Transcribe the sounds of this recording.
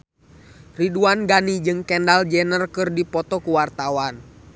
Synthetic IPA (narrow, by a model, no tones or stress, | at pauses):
riduanɡanid͡ʒɨŋkɛndald͡ʒɛnərkɨrdipɔt̪ɔkuwart̪awan